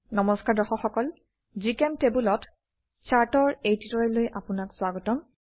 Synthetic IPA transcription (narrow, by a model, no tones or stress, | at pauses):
nɔmɔskaɹdɔxɔxɔkɔl | zikɛmtebulɔt | t͡ʃʰaɹtɔɹejtitɔɹɛlojʔapʊnakswaɡɔtɔm